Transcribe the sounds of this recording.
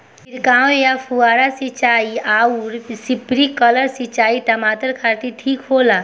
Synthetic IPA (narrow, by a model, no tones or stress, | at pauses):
iɾkaːõjapʰuaːɾasit͡ʃaːiauɾsipɾikələɾsit͡ʃaːiʈ̪ɐmaːt̪əɾkʰaɾʈ̪iʈʰiːkɦoːla